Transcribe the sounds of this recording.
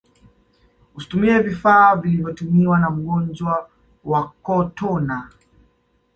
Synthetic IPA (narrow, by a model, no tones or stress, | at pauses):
usi̥tumiɛvifaːvilivjɔtumiwanam̩ɠɔnd͡ʒwa | wakɔtʰɔna